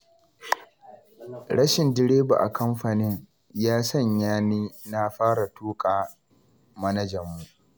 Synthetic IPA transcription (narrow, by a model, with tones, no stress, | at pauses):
ɽɐ˦ʃɪ˨ndɪ˦ɾeː˦ba̰˨ʔa̰˨kʰɐ˦mɸa˨nɪ˦ŋ | jaː˦sɐ˦˨ɲjaː˦niː˦na˦ɸaː˦ɽa˨tuː˦kʼaː˨ | mɐ˦nɐ˦d͡ʒɐ˨mːu˨ʔ